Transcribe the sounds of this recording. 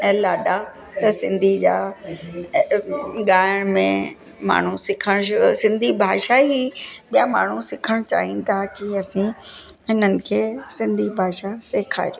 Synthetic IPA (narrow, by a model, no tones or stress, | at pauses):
ɛːlaːɗa | t̪ɐsɪ̰̃nd̪ʱid͡ʑa̰ː | ɠaːəɽ̃mẽ | ma̰ːɳ̤usɪkʰəɽ̃ʃsɪ̃nd̪ʱibʱaːʃaɦiɓijamaːɳ̤usɪkʰəɽ̃t͡ɕa̰ːɦĩnɪt̪ʰakiɐsĩɪnənɪ̆kʰeːsɪ̃nd̪ʱibʱaːʃaseːkʰa̰ːɾijo